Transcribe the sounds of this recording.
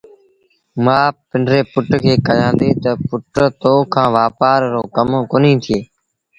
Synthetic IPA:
mãːpɪɳɖɾeːpʊʈkʰeːkəjãːnd̪eːt̪əpʊʈt̪oːkʰãːʋaːpaːɾɾoːkəmokoːnĩːt̪ʰɪjeː

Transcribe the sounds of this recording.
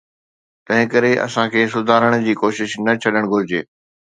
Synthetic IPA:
t̪ɐ̃ɦɪ̃kɐɾeʔɐ̰sãkʰeːsʊd̪ʱaːɾəɽ̃d͡ʑiːkoːʃɪʃnɐt͡ɕʰɐɗəɽ̃ɡʱʊɾɪd͡ʑḛː

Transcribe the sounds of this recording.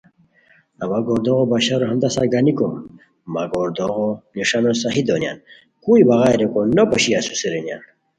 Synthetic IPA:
ɐbaɡoːɾd̪oɣobaɕaɾoɦɐmd̪asaɡaniko | maɡoːɾd̪oɣoniʂanosaɦid̪onja̰n | kuibɐɣaːjɾekonɐpɐɕiasusiɾenja̰n

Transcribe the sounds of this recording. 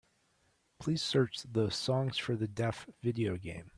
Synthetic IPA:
pʰl̥iz̥sɜ˞t͡ʃðəsɔ̃ŋz̥fə˞ðɨdɛfvɪɾioʊɡḛ̃ɪ̃m

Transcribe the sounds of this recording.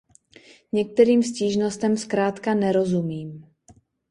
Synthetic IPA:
ɲɛk̚t̪ɛɾiːmfsciːʒnost̪ɛmskɾaːt̪kanɛɾo̞zumiːm

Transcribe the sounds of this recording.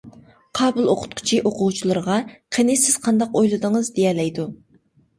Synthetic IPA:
qʰɑːbɨlˠoqʰʊ̥t̪̚qʰʊ̥t͡ʃʰiʔoqʰʊwt͡ʃʰilˠɨɾəʁɑqʰenɪsɪz̥qʰɑnd̪ɑqojlˠɨd̪əŋəzd̪ejɛlɛjd̪u

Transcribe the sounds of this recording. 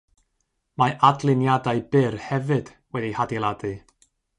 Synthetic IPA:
maʔadlˠɨnjadaɨbɪrhɛvɨd̥ | wɛdihadilˠadɨ

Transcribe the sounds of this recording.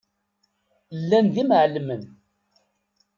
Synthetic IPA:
lːænðimʕlmən

